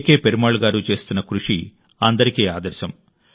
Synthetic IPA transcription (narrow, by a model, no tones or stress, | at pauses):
ke̞ːpeɾumaːɭuɡaːɾut͡ʃe̞ːst̪unːɐkɾuʂi | ɐnd̪ɐɾikiːaːd̪ɐɾʃɐm